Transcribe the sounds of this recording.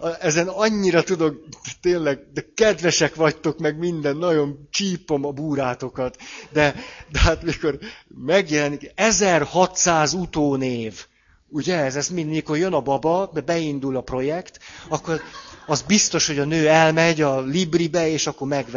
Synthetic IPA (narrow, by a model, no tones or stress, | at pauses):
ɛzɛnɒɲːiɾɒt̪ud̪o̞k̪t̪eːnlɛɡ̚d̪ɛkɛd̪ʋɛʃɛkʋɒct̪o̞kmɛɡmind̪ɛnːɒɟo̞nt͡ʃiːpo̞mɒbuːɾaːt̪o̞kɒt̪d̪ɛd̪ɛaːt̪miko̞rmɛɡjɛlɛnikɛzɛrhɒt̪saːzut̪oːneːv | uɟɛzɛsminmiko̞rjø̞nɒbɒbɒbɛbɛind̪ulɒpro̞jɛkt̪ɒkːo̞rɒzbist̪o̞ʃho̞ɟɒnøːɛlmɛɟɒlibribɛeːʃɒkːormɛɡʋ